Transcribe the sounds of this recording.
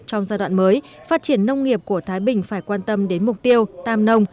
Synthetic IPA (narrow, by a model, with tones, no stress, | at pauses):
t͡ɕɔ˧wŋ͡mzaː˧ɗwa̰ː˧˨nməː˨˦j | faː˦˥t̚t͡ɕi˧˩ənːə˧wŋ͡mŋi˨˩əp̚ku˧˩ət̪ʰaː˨˦jɓï˨˩ŋ̟faː˧˩jkwaː˧nt̪ə˧mɗe˨˦nmʊ˨˩k͡p̚t̪i˧əwt̪aː˧mnə˧wŋ͡m